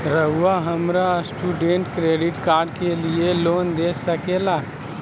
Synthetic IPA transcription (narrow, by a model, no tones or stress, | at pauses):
ɾəɦʊwaɦəmɾasʈuːɖẽɳʈkɾeːɖɪʈkaːɾɖkelieloːnd̪eːsəkeːlaː